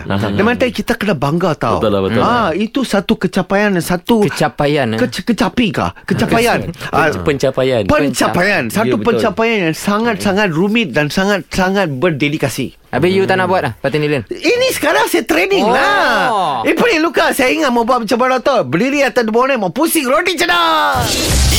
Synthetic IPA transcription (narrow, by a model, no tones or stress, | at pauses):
dəmãt̪ajkit̪akənabaŋɡat̪a̰wəait̪usat̪ukət͡ʃapajansat̪uət͡ʃapajankəkət͡ʃapika̰kət͡ʃapajanapəɲt͡ʃapajanpəɲt͡ʃapajansat̪upəɲt͡ʃapajanjaŋsaŋat̪̚saŋat̪̚rumɪt̪̚dansaŋat̪̚saŋat̪̚bərdedikasḭ | abijut̪anabuat̪̚ahpat̪iniləninĩsə̥kaɾaŋsajat̪ɾeniŋla | ipəɾilukasajaiŋat̪̚mə̃buat̪̚pət͡ʃapadɔt̪ɔbəliɾiat̪adibonamapusiŋɾodit͡ʃəda